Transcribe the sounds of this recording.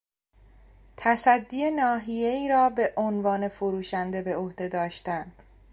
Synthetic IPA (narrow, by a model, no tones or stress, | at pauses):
t̪ʰæsæd̪ːiːenɒːɦije̞iːɾɒːbe̞ʔonvɒːne̞foɾuːʃænd̪e̞be̞ohd̪e̞d̪ɒːʃt̪ænd̪̥